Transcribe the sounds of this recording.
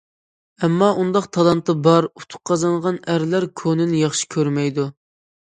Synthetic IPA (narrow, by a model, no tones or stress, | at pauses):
ɛmːɑʔund̪ɑqt̪ʰɑlˠɑnt̪ɨbɑɾut̪ʰʊ̥q̚qːʰɑzɑɴʁɑnæɾlæɾkʲʰonɪnɪjɑχʃi̥kʲʰøɾmɛjd̪u